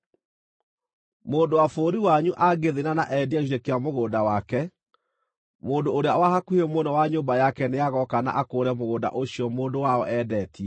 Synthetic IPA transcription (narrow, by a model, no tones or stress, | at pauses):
moːndowafoːɾiwaɲuʔaɡeðenanaʔɛdiaʃiɾekeamoɣoːdawakɛ | moːndoːɾeawahakuhemonɔwaɲoːbajakɛneaɣɔkana̰ʔakoːɾɛmoɣoːda̰ʔoɕiɔmoːndowaɔʔɛːdɛːtiɛ